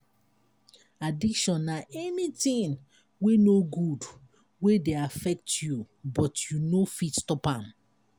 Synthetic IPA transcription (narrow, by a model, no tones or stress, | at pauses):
adikʃɔ̃nːaʔɛnitĩn | wenoɡud | wedeafɛk̚tju | bɔtjunofitstɔpãm